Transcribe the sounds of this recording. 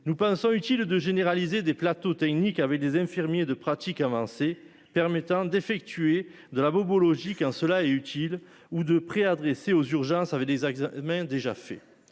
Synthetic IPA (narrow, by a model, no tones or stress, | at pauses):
nupɑ̃sɔ̃yt̪ild̪əʒeneʁalized̪eplat̪ot̪ɛknikavɛk̚d̪ezɛ̃fiʁmjed̪əpχat̪ikavɑ̃se | pɛʁmet̪ɑ̃d̪efɛk̚t̪ye | d̪əlabɔbɔlɔʒikɑ̃səlaɛyt̪ʰil | ud̪əpχead̪ʁeseozyʁʒɑ̃savɛk̚d̪ezɛɡzamɛ̃d̪eʒa̰fɛ̰